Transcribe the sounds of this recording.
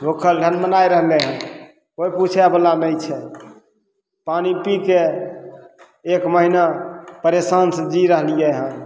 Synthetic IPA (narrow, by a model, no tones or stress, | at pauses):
bʱokʰəlɖʱənmənajɾəɦlɛɦə̃ | ojput͡ʃʰɛbəlanəjt͡ʃʰɛ | panipike | kməɦinapəɾesansəd͡ʒiɾəɦlijɛɦə̃